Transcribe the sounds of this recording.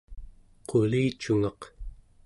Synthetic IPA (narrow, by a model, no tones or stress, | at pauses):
qʰo̞liːt͡ʃuŋɑq